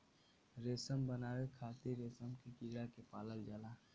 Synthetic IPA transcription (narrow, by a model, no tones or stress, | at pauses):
ɾeːsəmbənaːwekʰaːt̪iɾeːsəmkekiɽakepaːləld͡ʒaːlaː